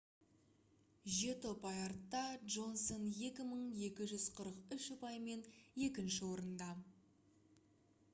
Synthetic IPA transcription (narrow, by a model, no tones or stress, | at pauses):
ʒet̪opɑjɑɾt̪ːɑdʒo̞nsonje̞kʲɪməɴje̞kʲɪʒʏzqʰəɾəqʏʃʊpɑjme̞nje̞kʲɪnʃɪwo̞ɾənd̪ɑ